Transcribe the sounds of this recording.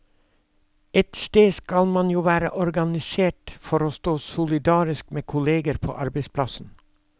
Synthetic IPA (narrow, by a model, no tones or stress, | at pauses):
ɛt̪st̪eːskɑlmɑnjuːʋæːɾə̰ʔɔɾɡɑnɪseːʈfɔɾoːst̪oːsʊlɪd̪ɑːɾɪskmeːkʰʊleːɡəɾpʰo̰ːʔɑɾbəɪspʰlɑsn̩